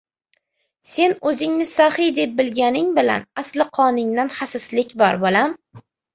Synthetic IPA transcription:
se̞nɵzɪŋnɪsahɪd̪e̞p̚bɪlɡʲanɪŋbɪla̰naslɪqʰɒnɪŋd̪anhasaslɪkʲbɒɾbolam

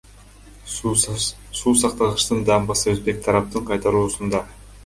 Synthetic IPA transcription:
suːsɑqt̪ɑʁɯʃt̪ɯnd̪ɑmbɑsɯøzbek̚t̪ʰɑɾɑp̚t̪ɯɴqʰɑjt̪ɑɾuːsund̪ɑ

